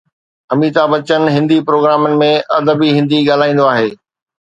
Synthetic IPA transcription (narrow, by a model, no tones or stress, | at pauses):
ɐmiːt̪abɐt͡ɕənɪ̆ɦɪ̃nd̪ipɾoːɡɾaːmənɪ̆mẽɐd̪əbiɦɪ̃nd̪iɠaːl̤aːĩnd̪oaːɦeː